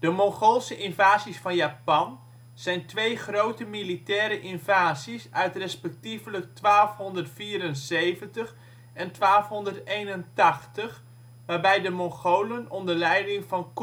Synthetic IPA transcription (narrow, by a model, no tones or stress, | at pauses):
d̥əmɔŋχolˠsəʔɪnvaːzisfɑnjaːpɑn | z̥ɛjntʋejχrowtəmilitɛːɾəʔɪnvaːzisœɥtrɛspɛk̚tivələk̚tʋaːlˠfɦɔndərtfiːɾənsejvəntəχ | ɛntʋaːlˠfɦɔndəɹtejnəntɑχtəχ | ʋaːɹbɛjdəmɔŋχowlənɔndəɹlɛjdɪŋvɑnk